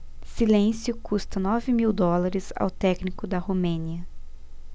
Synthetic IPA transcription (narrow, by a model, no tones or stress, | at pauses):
silẽsjʊkust̪ɐnɔvɪmiwd̪ɔlaɾɪza̰wt̪ɛknikʊd̪ɐhumẽniɐ